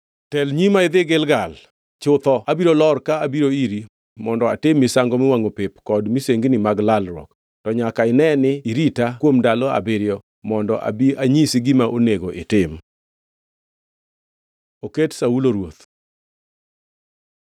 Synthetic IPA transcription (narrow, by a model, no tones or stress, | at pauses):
tɛlɲimaɪd̪ɪɡɪlɡal | t͡ʃʊt̪ɔabiɾolɔrkaabiɾoiɾi | mɔndɔa̰tɪmːisaŋɡɔmɪwaŋopɪpkɔdmiseŋɡnimaɡlalɾɔ̰k | tɔɲakaɪnɛnɪiɾitakwomdalɔa̰bɪɾjɔ | mɔndɔʔa̰biaɲisiɡɪmaʔoneɡoʔɪtɪm | oketsauloɾwot̪